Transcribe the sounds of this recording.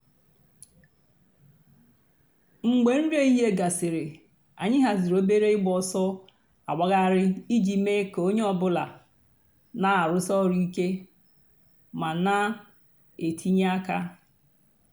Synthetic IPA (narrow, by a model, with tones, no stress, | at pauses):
ŋ͡m̩˨ɡ͡be˨n̩˦ɾe˦i˦ɦe˦ɡa˨sɪ˨ɾɪ˨ | a̰˨ɲɪ˦ɦa˨zɪ˨ɾo˦be˦ɾe˦ɪ˦ɡ͡bɔ˨sɔ˦ | a̰˨ɡ͡bʷa˦ɣa˦˨ɾɪ˦i˦d͡ʒi˨˦me˦ko˦ɲe˦ɔ˨bʊ˦la̰˨ | na˦a˨ɾʊ˦sɔ˦ɾi˦i˦ke˦ | ma˨na˦ | e˨tʰi˦ɲ˦a˦ka˦